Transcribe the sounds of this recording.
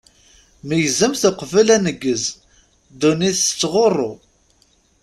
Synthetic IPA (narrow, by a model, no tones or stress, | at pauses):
məjzəmθəqvəlænəɡːəz | d̪uniθt͡sːʁorˤːo